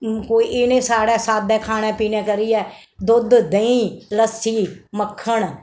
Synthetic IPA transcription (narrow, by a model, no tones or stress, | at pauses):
koːiːʔɪnẽːsaːɽɛːsaːd̪ɛ̃ːkʰaːnɛ̃ːpiːnɛ̃ːkəɾiːɛː | d̪ʊd̪d̪əĩːləsiːməkʰːəɳ